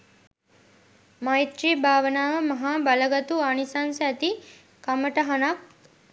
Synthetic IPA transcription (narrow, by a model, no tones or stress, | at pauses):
majt̪riːbʱaːʋənaːʋəmɐɦaːbaləɡat̪uanisansæt̪i | kaməʈəɦanak̚